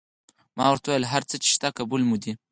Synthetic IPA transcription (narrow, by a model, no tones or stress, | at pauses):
mɑwaɾt̪wajəlɦaɾt͡sət͡ʃe̥ʃt̪akabulmud̪i